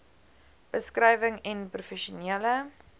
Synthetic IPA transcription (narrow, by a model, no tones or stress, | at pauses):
b̥əskrɛjvəŋɛnprufɛʃuniələ